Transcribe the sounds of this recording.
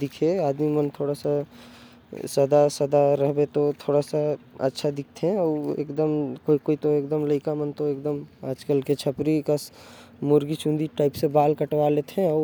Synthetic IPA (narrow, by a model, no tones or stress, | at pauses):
d̪ɪkʰeaːd̪mimənt̪ʰoːɽasa | səd̪asəd̪aɾəɦbet̪ot̪ʰoːɽasaə̰tːʃʰad̪ɪk̚ʰt̪ʰeɦɛɔːḛːkd̪əmkoikoːit̪oeːk̚d̪əmləɪkamənt̪oeːkd̪əma̰ːd͡ʒkəlket͡ʃʰəpɾikəs | moɾɡit͡ʃũnd̪iʈaːɪpsebaːlkəʈwalet̪ʰɛ̃ɔː